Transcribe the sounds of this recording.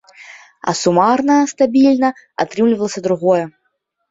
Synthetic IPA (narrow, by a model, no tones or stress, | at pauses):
ɐ̰sumarnɐst̪abʲilʲnɐ | a̰t̪ɾɨmlʲivɐlˠɐsʲɐd̪ɾuɣɔjɛ